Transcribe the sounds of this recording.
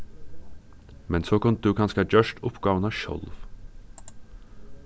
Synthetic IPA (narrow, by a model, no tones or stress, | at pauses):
mɛnsoːkʊnt̪̚d̪ʉːkʰɑnskɑd͡ʒøːʃʈʊpɡɑːʋənɑːʃɔ̰lʋ